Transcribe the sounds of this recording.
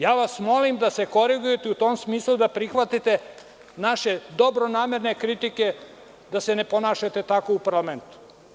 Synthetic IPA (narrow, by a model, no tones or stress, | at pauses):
jaːʋasmo̞limd̪ase̞ko̞ɾiɡuje̞t̪eut̪o̞ːmsmiːslˠud̪apɾixʋat̪it̪e̞ | naʃe̞d̪o̞bɾonaːme̞ɾnekɾit̪ike̞ | d̪asene̞po̞naːʃat̪e̞t̪ako̞upaɾlament̪u̥